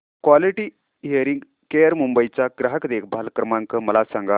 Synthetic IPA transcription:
kʋaliʈi | ɦiəɾiŋɡ | kejəɾmumbəit͡ɕaɡɾaɦəkd̪ekʰbʱalkɾəmãŋkəməlasãŋɡa

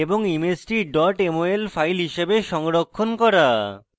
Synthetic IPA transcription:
eboŋimesʈiɖɔɾʈemoelfʰajlɦiʃebeʃɔŋɾokʰːonkɔɾa

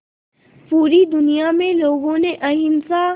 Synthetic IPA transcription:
puːɾid̪ʊnijamẽloːɡõneʔɐɦɪmsa

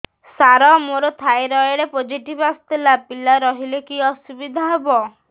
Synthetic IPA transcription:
saɾɔmoɾɔt̪ʰajɾɔeɽepod͡ʒiʈibast̪ilapilaɾɔɦilekiɔsubid̪ʱaɦebɔ

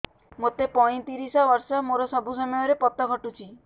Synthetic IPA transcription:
mot̪epɔj̃t̪iɾisɔbɔɾsɔmoɾɔsɔbʱusɔmɔjɔɾepɔt̪ːɔɡʱɔʈut͡ʃʰi

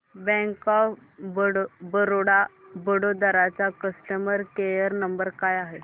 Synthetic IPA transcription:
bɛ̃ŋkɔf | bəɽbəɾoɽabəɽod̪aɾat͡ɕakəsʈəməɾkejəɾnəmbəɾkajaɦe

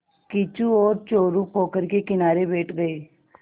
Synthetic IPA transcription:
kɪt͡ʃuɔːɾt͡ʃoːɾukʰoːkəɾkekɪnaːɾebeːʈɡəeː

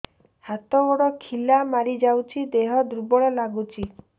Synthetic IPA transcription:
hat̪ɔbɔɽɔkʰilamaɾid͡ʒawt͡ʃʰid̪eɦɔd̪ɾubɔɭɔlaɡut͡ʃʰi

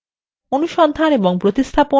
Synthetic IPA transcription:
onuʃɔnd̪ʱaneboŋpɾot̪ist̪ʰapo

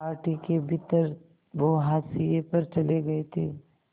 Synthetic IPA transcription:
aːɾʈikebʱɪt̪əɾ | ʋoɦaːsijepɐɾt͡ʃɐleɡɐet̪ʰḛː

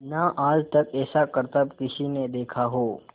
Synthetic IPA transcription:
naʔaːd͡ʒt̪ɐkɛːsakəɾt̪əbkɪsined̪eːkʰaɦoː

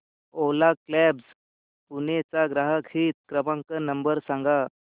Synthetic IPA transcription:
olaklɛbs | punet͡saɡɾaɦəkiːt̪̚kɾəmãŋkənəmbəɾsãŋɡa

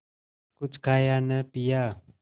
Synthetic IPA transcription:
kʊt͡ʃʰkʰaːjanəpija

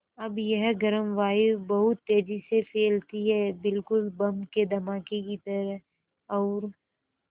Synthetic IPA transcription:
ɐbjɐɦɡɐɾəmʋaːibɐɦʊt̪ːeːd͡ʒisefʰeːlt̪iɦɛːbɪlkʊlbɐmked̪ʱɐmaːkekit̪ɐɾəɦ | ɔːɾ

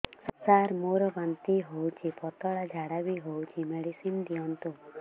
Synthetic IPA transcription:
sɔsaɾmuɾɔbant̪iɦowt͡ʃʰipɔt̪ɔɽad͡ʒʱaɽabiɦowt͡ʃʰimeɽisimd̪ijɔnt̪u

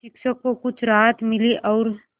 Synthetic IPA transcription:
ʃɪkʃəkːokʊt͡ʃʰɾaːɦət̪mɪliʔɔːɾ

